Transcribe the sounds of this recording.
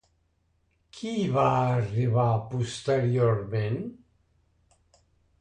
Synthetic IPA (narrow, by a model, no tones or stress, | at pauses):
kʰiβaːriβapust̪eɾjoɾmen